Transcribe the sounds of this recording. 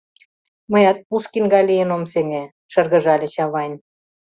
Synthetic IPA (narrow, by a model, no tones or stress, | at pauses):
mɤ̆jɑt̪̚puʃkinɡɑlʲijə̆nomseŋĕ | ʃɤ̆rɣə̆ʒɑlʲĕɕɑβɑnʲ